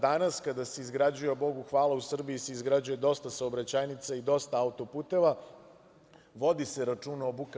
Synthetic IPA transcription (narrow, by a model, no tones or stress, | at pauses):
d̪anaskad̪aseizɡɾad͡ʑujebo̞ɡuxʋaːlausr̩biiseizɡɾad͡ʑuje̞d̪o̞st̪asaobɾat͡ɕajnit̪said̪o̞st̪aaut̪o̞puːt̪e̞ʋa | ʋo̞d̪iseɾat͡ʂunoobuk